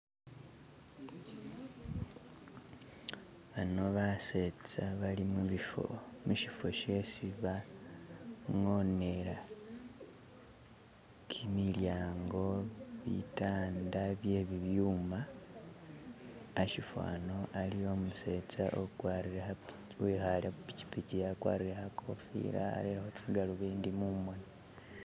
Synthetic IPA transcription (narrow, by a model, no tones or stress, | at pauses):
βano̞βaset͡saβalimuβifo̰muʃifo̞ʃe̞siβa | ŋo̞ne̞ɾa | kʰimiljaːŋɡo̞βḭtaːndaβje̞ːβiβjuːma | ʃifwa̰ːno̞ʔalijo̞muse̞t͡sa̰ʔokwaːɾiɾeha | wixaɾeupi̥ci̥picijakwa̰ːɾiɾehakʰo̞fḭɾa̰ːɾiɾahot͡siɡaluβiːndimumwoni